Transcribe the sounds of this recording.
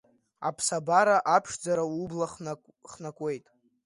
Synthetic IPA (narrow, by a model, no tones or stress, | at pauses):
a̰pʰsabaɾaʔapʰʂd͡zaɾaublaχ | χnakʷʼwe̞jtʼ